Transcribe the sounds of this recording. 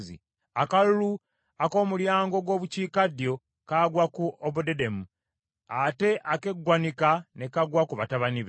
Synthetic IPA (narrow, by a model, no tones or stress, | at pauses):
zḭ | akalulu | ako̞ːmuljaːŋɡo̞ɡwo̞ːβuciːkadjo̞ | kaːɡwakuobudedemu | ate̞ʔake̞ɡːwanikane̞kaɡwakuβataβaniβe